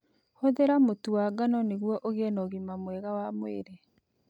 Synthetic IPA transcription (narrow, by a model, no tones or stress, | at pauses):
hoðeɾamotuwaɡanɔneɣwɔʔoɣenɔɣimamwɛɣawamwḛɾe